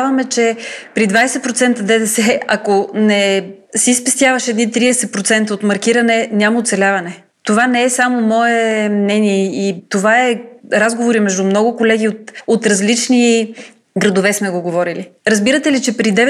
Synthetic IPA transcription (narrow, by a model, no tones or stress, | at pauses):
vɐmɛt͡ʃɛpɾid̪vajsɛt̪̚pɾot̪sɛnt̪əd̪ɛd̪ɛsɛɐkonɛ | sispɛst̪ʲjavɐʃɛːd̪nit̪ɾiɛsɛpɾot̪sɛnt̪əot̪mɐɾkiɾɐnɛnʲjamɐot̪sɛlʲavɐnɛ | t̪ovanɛɛsamomɔɛmnɛniɛit̪ovaɛɾazɡovoɾimɛʒd̪umnɔɡʊkolɛɡ̟iot̪ot̪ɾɐzlit͡ʃni | ɡɾɐd̪ovɛsmɛɡoɡovɔɾiliɾɐzbiɾət̪ɛlit͡ʃɛpɾid̪ɛv